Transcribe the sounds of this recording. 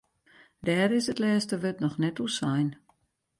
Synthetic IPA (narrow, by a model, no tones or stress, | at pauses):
dɛːɾɪsətlɛːstəʋøtnɔxnɛtusajn